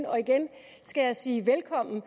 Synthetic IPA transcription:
nɒ̽iɡ̥en | sɡ̥æjɑ̈ɪsiːʋelkʰɒ̽m̰n̩

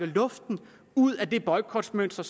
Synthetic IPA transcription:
əlɔ̽fd̥n̩ | uð̰ˠæd̥e̝b̥ɒ̽ɪkʰɒd̥smøn̰sd̥ɐs

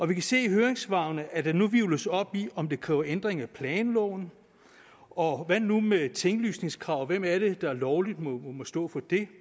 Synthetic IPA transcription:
ɒ̽ʋikʰæse̝̰ːɦøːɐeŋsʋɑ̈ʊnəʔæd̥enuʋiʊləsɒ̽b̥iɒ̽md̥e̝kʰʁɛ̰ːʊɐʔend̥ʁeŋæpʰlɛːnlɔʊn | ɒ̽ʋænnːumet͡sʰeŋɡ̥lyːsne̝ŋskʰʁɑ̈ʊ̰ʋem̰æɐɾe̝d̥ɑ̈æɐlɒʊlid̥mmɔsd̥ɔ̰̽ːfɒ̽d̥e̝

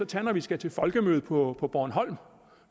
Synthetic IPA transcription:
ɒ̽t͡sʰænɐʋisɡ̥æt͡sʰe̝fɒ̽lɡ̥əmøːð̩ˠpʰɒ̽pʰɒ̽b̥ɒːnɦɒ̽l̰m

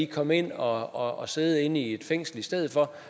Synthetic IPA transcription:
ikʰɒ̽me̝n̰ɒ̽ɒse̝ːð̞̩ˠəe̝n̰ie̝d̥feŋ̰sl̩isd̥eð̞̰̩ˠfɒ̽

